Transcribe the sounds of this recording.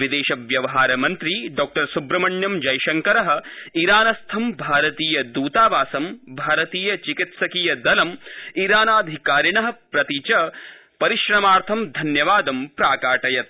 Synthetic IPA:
ʋid̪eːʃɐʋjɐʋɐɦaːɾɐmɐnt̪ɾiɖɔːk̚ʈɐɾsubɾɐmɐɳjɐmd͡ʒɐjʃɐŋkɐɾɐɦɐ̆iɾaːnɐst̪ʰɐmbʱaːɾɐt̪iːjɐd̪uːt̪aːʋaːsɐmbʱaːɾɐt̪iːjɐt͡ʃikit̪sɐkiːjɐd̪ɐlɐmiɾaːnaːd̪ʱikaːɾiɳɐɦɐ̆pɾɐt̪it͡ʃɐ | pɐɾiʃɾɐmaːɾt̪ʰɐmd̪ʱɐnjɐʋaːd̪ɐmpɾaːkaːʈɐjɐt̪̚

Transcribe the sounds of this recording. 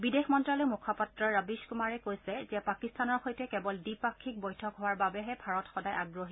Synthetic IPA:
bidexmɔntɹalɔjmukʰapatɹɔɹabiskumaɹɛkojsɛzɛpakistanɔɹxojtɛkɛbɔldipakʰːik̚bojtʰɔkɦowaɹbabɛɦɛbʱaɹɔtxɔdajʔaɡɹoɦi

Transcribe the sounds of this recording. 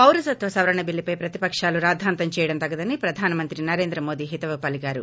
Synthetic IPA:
pɐwɾɐsɐt̪ʋɐsɐʋɐɾɐɳɐbilːipɐjpɾɐt̪ipɐkʂaːluɾaːd̪ʱaːnt̪ɐmt͡ʃɛːjɐɽɐnt̪ɐɡːɐd̪ɐnipɾɐd̪ʱaːnɐmɐnt̪ɾinɐɾe̞ːnd̪ɾɐmo̞ːd̪iːɦit̪ɐʋɐpɐliɡaːɾṵ

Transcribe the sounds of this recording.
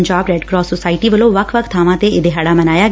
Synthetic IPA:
ɲd͡ʒaːbɾɛːɖkɾɔːsosaːɪʈiːʋəlõːʋəkʰʋəkʰt̪ʰaːʋãːt̪eɪd̪eːɦaːɽaːmənaːjaː

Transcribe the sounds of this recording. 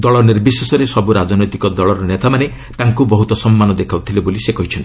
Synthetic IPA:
d̪ɔɭɔniɾbisesɔɾesɔbuɾad͡ʒɔnɔjt̪i̥kɔd̪ɔɭɔɾɔnet̪amane | t̪aŋkubɔɦut̪ɔsɔmːanɔd̪ekʰawt̪ʰilebolisekɔɦit͡ʃʰɔnt̪i̥

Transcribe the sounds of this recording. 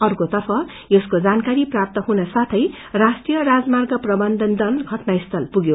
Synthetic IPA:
ʌrkot̪ʌrpʰʌ | eskod͡zankaɾiprap̚t̪ʌɦunasat̪ʰʌj | rasʈijʌɾad͡zmarɡʌprʌbʌnd̪ʱʌnd̪ʱʌnɡʱʌʈnaist̪ʰʌlpuɡjo

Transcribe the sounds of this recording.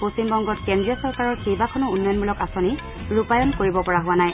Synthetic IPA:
postimbɔŋɡɔtkendɹijɔsɔɹkaɹɔɹkejbakʰɔnɔunːɔjɔnmbulɔkasoni | ɹupajɔnkoɹibɔpɔɹaɦʊwanaj

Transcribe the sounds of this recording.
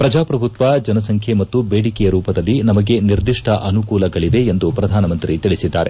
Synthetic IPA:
pɾɐd͡ʒaːpɾɐbʱut̪ʋad͡ʒɐnɐsɐŋkʰjemɐt̪ːubeːɽikɛjɐɾuːpɐd̪ɐlːinɐmɐɡe̞niɾd̪iʂʈʰɐʔɐnukuːlɐɡɐɭiʋe̞ːnd̪upɾɐd̪ʱaːnɐmɐnt̪ɾit̪iɭisid̪ːaːɾe̞

